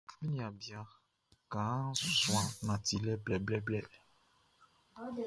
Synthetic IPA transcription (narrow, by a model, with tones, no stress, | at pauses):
mĩ˦nĩ˨a˨bja˨ | kã˨˦sw̃ã˨nã˨t̪i˨lɛ˦blɛ˨blɛ˦blɛ˦˨